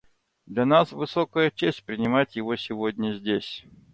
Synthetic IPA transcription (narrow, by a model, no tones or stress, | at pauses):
d̪lʲɐnasvɨsokəjət͡ɕesʲtʲpɾʲɪnʲɪmatʲjɪvosʲɪvodʲnʲəzʲdʲesʲ